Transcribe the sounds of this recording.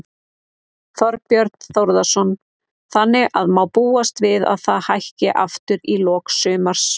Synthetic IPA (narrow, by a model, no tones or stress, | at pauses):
θɔɾ̚pjœɾt̪n̥θowɾðasɔn | θanːɪʔaðmawpuːast̪vɪða̰ðθaðhajhcɪʔaft̪ʏɾilɔːksʏːmaɾ̥s